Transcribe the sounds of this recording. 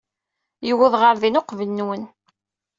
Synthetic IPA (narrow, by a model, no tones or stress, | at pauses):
jəwəðʁəɾðinoqvənːwən